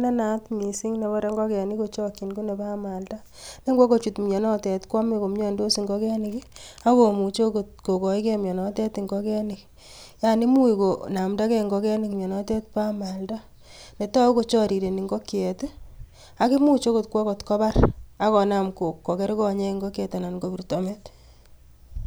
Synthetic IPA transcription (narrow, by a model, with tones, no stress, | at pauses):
nɛ˦na˦tmi˨si˦ŋne˨βɔ˦ɾe˦ŋɡɔ˦kɛ˨ni˦ko˦t͡ʃɔ˦kːi˨nku˦ne˨pa˦ma˨lta˦ | ne˦ŋɡwɔ˦ko˦t͡ʃu˨tmɲe˨nɔ˦tɛ˨tkwa˦me˦ko˨m˦ɲɔ˦ndo˦si˨ŋɡɔ˦kɛ˦nɪkia˦ko˨mu˨t͡ʃo˦ko˨t̚ko˨kɔ˨i˦kɛ˦mjɔ˨nɔ˦tɛ˦tiŋɡɔ˦kɛ˦ni˨k | ja˨ni˦mu˦i˨ko˨na˨mda˦kɛ˦ŋɡɔ˦kɛ˦nɪkmjɔ˨nɔ˦tɛ˦tpa˦ma˨lda˦ | ne˨ta˦ko˦t͡ʃɔ˦ɾi˨ɾe˨ni˨ŋɡɔ˦kjɛ˨t | a˦ki˦mu˦t͡ʃo˦ko˦tkwɔ˦kɔ˨tkɔ˦ba˦ra˨kɔ˨na˨mko˨kːɔ˨kɛ˦ɾkɔ˦ɲɛ˦ŋɡɔ˦kɛ˨ta˨na˨nɡo˨pi˨ɾtɔ˨mɛ˦t